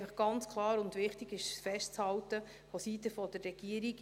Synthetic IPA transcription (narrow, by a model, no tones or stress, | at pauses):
fəχɡ̥ɑnt͡skʰlˠɑːɾʊnd̪ʋɪχtiɡɪʃfɛʃtt͡shɑltə | fosit̪əfɔd̥əɾːɛɡ̥iəɾiɡ